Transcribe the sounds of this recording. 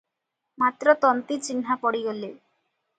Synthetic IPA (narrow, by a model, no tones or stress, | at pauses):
mat̪ːɾɔt̪ɔnt̪it͡ɕinɦapɔɽiɡole